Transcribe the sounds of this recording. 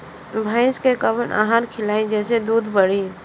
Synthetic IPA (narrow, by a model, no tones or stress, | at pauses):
bʱaɪskekəbənʔa̰ɦaɾkʰɪlaːĩd͡ʒɛːsed̪uːd̪ʱbəɽ̤i